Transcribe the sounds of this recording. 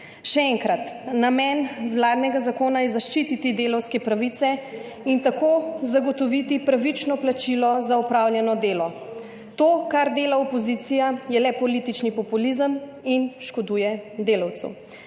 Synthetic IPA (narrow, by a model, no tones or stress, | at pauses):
ʃɛɛŋkɾat̪namɛnwlaːd̪nɛɡazakoːnajɛzaʃt͡ʃit̪it̪id̪eːlɔwskɛpɾaʋit̪sɛ | int̪akoːzaɡɔt̪ɔʋit̪ipɾaʋit͡ʃnɔplat͡ʃilɔzaɔpɾaːwljɛnɔd̪eːlɔ | t̪oːkaɾd̪eːlaɔpɔzit̪sijajɛlɛpɔlit̪it͡ʃnipɔpulizəminʃkɔd̪uːjɛd̪eːlawt̪sṵ